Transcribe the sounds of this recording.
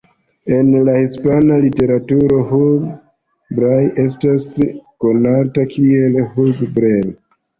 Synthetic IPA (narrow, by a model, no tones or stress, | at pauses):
e̞nlahispanalite̞ɾatuɾo̞ɦuɡ | bɾaje̞s̬tasko̞natakʰielhuɡbɾel